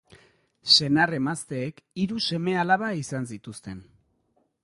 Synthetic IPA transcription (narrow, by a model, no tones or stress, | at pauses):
se̞nare̞mast̪e̞ːkiɾuse̞me̞alaβaisansit̪ust̪e̞n